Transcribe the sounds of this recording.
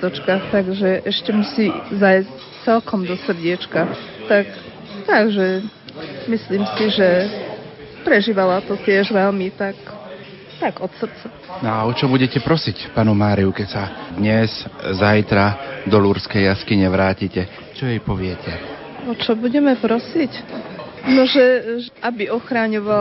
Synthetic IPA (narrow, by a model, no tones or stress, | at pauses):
t̪ɔt͡ʃkaxt̪aɡʒɛʔɛʃcɛmusiːzajsc | t͡sɛlkɔmd̪ɔsr̩ɟɪɛt͡ʃka | t̪ak | t̪aɡʒɛ | misliːmsiʒɛ | pɾɛʒiːʋalat̪ɔt̪ɪɛʒʋɛlmit̪ak | t̪aɡɔt̪sr̩t͡sɛ | nɔaɔt͡ʃɔbuɟɛcɛpɾɔsicpaːnumaːɾiukɛcsad̪ɲɛzzajt̪ɾad̪ɔluɾskɛjjaskiɲɛʋɾaːcicɛ | t͡ʃɔjɛjpɔʋɪɛcʰɛ | ɔt͡ʃɔbuɟɛmɛpɾɔsic | nɔʒɛʔabiɔxɾaɲɔʋa